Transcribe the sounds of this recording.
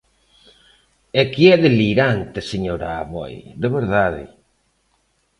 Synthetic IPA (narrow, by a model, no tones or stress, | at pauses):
ɛkiɛðeliɾant̪eseɲoɾaːβɔ̰jðeβeɾðaðɪ̰